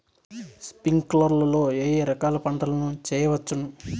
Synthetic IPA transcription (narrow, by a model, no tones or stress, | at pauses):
spiŋɡklɐɾlɐlo̞ːeːjeɾɐkaːlɐpɐɳʈɐlɐnut͡ʃɛːjɐʋɐt͡ʃːunu